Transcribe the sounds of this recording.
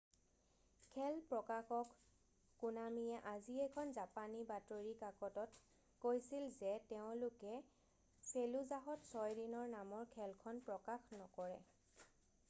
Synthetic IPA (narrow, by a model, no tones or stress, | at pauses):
kʰɛlpɹɔkaxɔkː | unamiɛʔaziɛkʰɔnzapanibatoɹikakɔtɔt | kojsilzɛtɛʊ̃lʊkɛ | seluzaɦɔtsɔjdinɔɹnamɔɹkʰɛlkʰɔnpɹɔkaxnɔkɔɹɛ